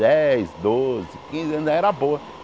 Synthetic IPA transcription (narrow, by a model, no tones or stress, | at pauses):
ɛjzd̪ozɪkĩzɪɐ̃nzɛɾɐboɐ